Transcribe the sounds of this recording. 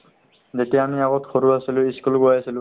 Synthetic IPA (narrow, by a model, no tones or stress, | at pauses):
zetiaamiaɡɔtxʰoɹuasilʊiskulɡojasilʊ̃